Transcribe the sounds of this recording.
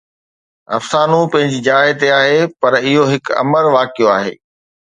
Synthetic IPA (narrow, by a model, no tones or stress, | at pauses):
ɐ̰fsaːnũpɐ̃ɦɪ̃ɲd͡ʑɪd͡ʑaːɦet̪eaːɦepɐɾɪɦoɦɪkɐ̰məɾʋaːkijoaːɦḛː